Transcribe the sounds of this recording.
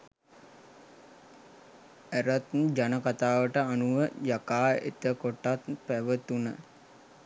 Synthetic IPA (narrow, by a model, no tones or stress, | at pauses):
æɾət̪nd͡ʒanəkat̪aːʋəʈəanuʋəjakaːḛt̪əkoʈːat̪pæʋət̪unə